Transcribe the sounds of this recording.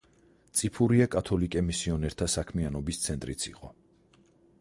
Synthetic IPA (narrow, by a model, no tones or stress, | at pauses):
t̪sʼipʰuɾiakʼat̪ʰɔlikʼɛmisiɔnɛɾt̪ʰasakʰmianɔbist̪sʰɛnt̪ʼɾit̪sʰḭqʼɔ̰